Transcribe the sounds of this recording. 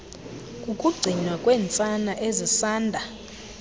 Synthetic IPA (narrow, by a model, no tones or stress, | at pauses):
kʼukʼuɡ͡ǀʱinwakʼweːnt͡sʼanaʔezisaːndʱa